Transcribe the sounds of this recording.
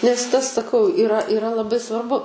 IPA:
nʲɛs ˈtɐs sɐˈkɐʊ ɪˈrɐ ɪˈrɐ lˠɐˈbɐɪ sʋɐrˈbʊ

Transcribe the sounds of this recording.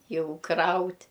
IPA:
ˈjɛʊ ˈkrɐʊtʲ

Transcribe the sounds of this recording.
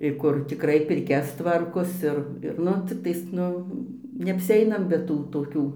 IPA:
ɪr ˈkʊr tʲɪkˈrɐɪ pʲɪrʲˈkʲɛs ˈtʋɐrkoːs ˈɪr ɪr ˈnʊ ˈt͡sʲɪktɐɪs ˈnʊ nʲɛɐpʲsʲɪˈɛɪnɐm bʲɛ ˈtuː toːˈkʲuː

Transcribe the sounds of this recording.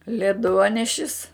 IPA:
lʲɛˈduɔnʲɛʃʲɪs

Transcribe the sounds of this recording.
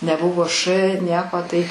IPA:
nʲɛˈbʊʋoː ʃ ˈnʲiɛkoː ˈtɐɪ

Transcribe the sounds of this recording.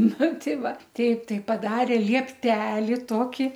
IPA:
ˈnʊ ˈtʲɛɪ ˈʋɐ ˈtʲɛɪp ˈtɐɪ pɐˈdɑːrʲeː lʲiɛˈpʲtʲæːlʲɪ ˈtoːkʲɪ

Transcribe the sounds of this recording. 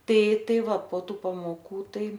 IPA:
ˈtɐɪ ˈtɐɪ ˈʋɐ poː ˈtuː pɐmoːˈkuː ˈtɐɪ

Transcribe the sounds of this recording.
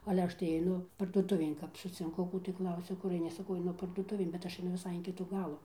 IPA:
ɐlʲɛ ˈɐʃ tɐɪ ɐɪˈnʊ pɐrduɔˈtʊʋʲeːn kɐp sʊt͡sʲɪŋˈkʊ ˈkuː tɐɪ ˈklˠɐʊsʲɛ ˈkʊr ɐɪˈnʲɪ sɐˈkɐʊ ɐɪˈnʊ pɐrduɔˈtʊʋʲeːn bʲɛt ˈɐʃ ɐɪˈnʊ ʋʲɪˈsɐɪ ɪn ˈkʲɪtuː ˈɡɑːlˠuː

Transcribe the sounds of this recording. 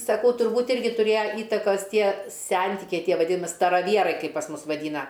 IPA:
sɐˈkɐʊ tʊrˈbuːtʲ ˈɪrʲɡʲɪ tʊˈrʲeːjɛ ˈiːtɐkoːs ˈtʲiɛ ˈsʲɛnʲtʲɪkʲɛɪ ˈtʲiɛ ʋɐˈdʲɪmʲɪ stɐrɐˈʋʲiɛrɐɪ ˈkɐɪp pɐs ˈmʊs ʋɐˈdʲiːnɐ

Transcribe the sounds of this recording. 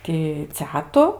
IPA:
tʲɪ ˈt͡sʲæːtʊ

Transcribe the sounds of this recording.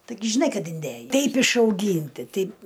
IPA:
tɐɪˈɡʲɪ ʒʲɪˈnɐɪ ˈkɐt ɪnʲˈdʲeːjɛɪ ˈtʲɛɪp ɪʃɐʊˈɡʲiːnʲtʲɪ ˈtʲɛɪp

